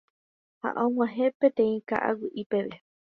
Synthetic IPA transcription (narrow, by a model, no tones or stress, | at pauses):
ha̰ʔõmʷãɦẽpẽt̪ẽĩka̰ʔa̰wiʔipeʋe